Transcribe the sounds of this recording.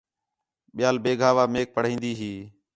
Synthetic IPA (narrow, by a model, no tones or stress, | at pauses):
ɓɪjaːlbeːɡʱaːʋaːmeːk̚pəɽ̤ĩːnd̪iːɦiː